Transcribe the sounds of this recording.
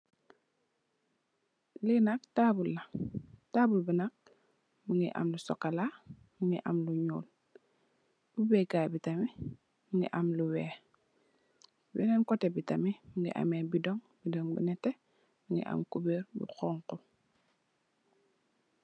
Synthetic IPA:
linak̚taːbulːataːbulbinak̚ | muŋɡiʔa̰mlusɔ̰kːala | muŋḭʔa̰mluɲuːl | bubɛɡabitami | muŋɡḭʔamluwɛː | binɛnkɔtɛbitamimuŋɡḭʔa̰mɛbidɔŋ | bidɔŋbḭnɛtɛ | biŋɡḭʔa̰mkubeɾbṵxɔŋku

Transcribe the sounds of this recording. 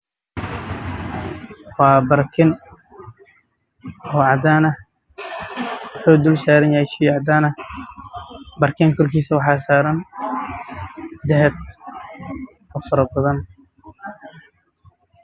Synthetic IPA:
wɑːbɐrkʰɪn | ɔːʕɑd̪aːnɐ | ħuːd̪ʊlʃaːɾɛnjahɛʃijʕɑd̪aːnɐ | bɐrkʰɛŋkʰɔrkʰiːsɐwɑħɑːsaːɾɐn | d̪ɛɦɛd̪̚ | ɔfɐɾɐbɐðɐn

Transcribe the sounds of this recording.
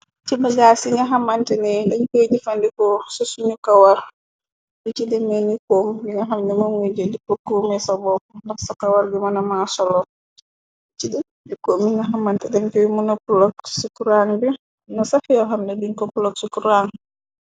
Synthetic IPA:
t͡ʃibaɡasiŋɡaɦamantɛnɛdɛɲked͡ʒifandikɔsɔsunukawaɾ | dit͡ʃidɛmɛnikomdiŋɡaɦamdɛmanwed͡ʒdikɔkːomɛsabɔndaksakawaɾɡɛmanamasɔlɔ | it͡ʃidɛ | dikomiŋɡaɦamːantɛdɛnkɛwimunɔpulɔksukuɾaŋbɛ | nasafijɔɦamdɛdiŋkɔpulɔksukuɾaŋ

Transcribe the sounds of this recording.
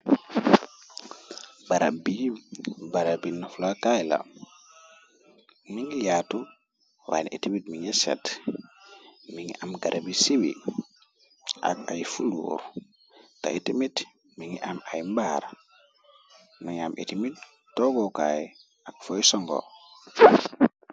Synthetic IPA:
baɾa̰bi | baɾabinaflakajla̰ | miŋijatu | wa̰nʔetimitmiŋɛsɛ̰t | miŋḭʔamɡaɾʔabisibḭ | ʔa̰ka̰jfulṵɾu | ta̰etimit | miŋiʔamajmbaɾa | niŋamʔḛtimit | tɔɡɔkaj | akfɔjsɔŋɡɔ̰

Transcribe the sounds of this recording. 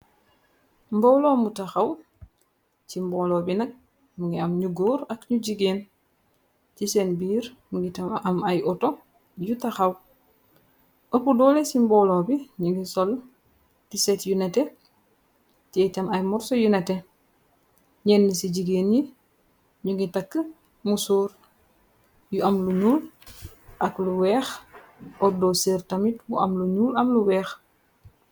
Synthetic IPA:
mbɔwlomutaxaw | simbɔlobinɐk̚ | muŋɡiamɲuɡoːɾakɲuɟiɡeːn | tisenbiːɾmuŋɡitaamajɔto | jutaxaw | opudɔlesimbɔwlɔbiɲiŋɡisɔl | tisɛtjunɛte | tiɛtɐmɐjmɔɾsɔjunɛtɛ | ɲɛnːisiɟiɡeːnji | ɲuŋɡitakːə | musuːɾ | juɐmluɲuːl | ʔɐkluwɛːx | ɔdɔːseɾtɐmitbuʔɐ̰mluɲuːlɐmluwɛːx

